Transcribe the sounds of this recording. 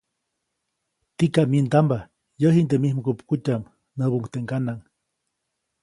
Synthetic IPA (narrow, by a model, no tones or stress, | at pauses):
t̪ikaʔmint̪amba | jəɦint̪emihməkupkutam | nəβuʔuŋkt̪eʔŋkanaŋ